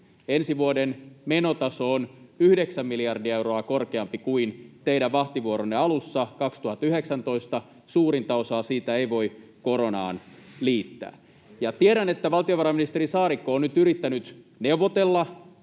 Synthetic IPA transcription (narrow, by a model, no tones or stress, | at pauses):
ensiʋuodenmenot̪ɑso̞onyhdeksæmːiliɑrdiɑeuɾoɑkorkeɑmpikuint̪eiɾæʋʋɑht̪iʋuoɾonːeɑlusːɑkɑkst̪uhɑt̪ːyheksænt̪o̞ist̪ɑ | suːɾint̪ɑosɑːsiːt̪æeiʋo̞i | ko̞ɾo̞nɑ̰ːnliːt̪ːæ̰ː | jɑt̪ieɾænet̪ːæʋɑlt̪ioʋɑɾɑmːinist̪erisɑːɾikːoːnnyt̪yɾit̪ːænyt̪neuʋot̪elːɑ